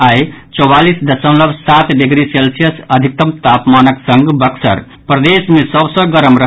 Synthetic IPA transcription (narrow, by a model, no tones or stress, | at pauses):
ajt͡ʃɔwalisd̪əsə̃w̃ləbʱsat̪ɖiɡɾiselsijəsəd̪ʱik̚t̪əmt̪apmanəksəŋɡbəksə̰ɾ | pɾəd̪esmesəbsə̃ɡəɾəmɾə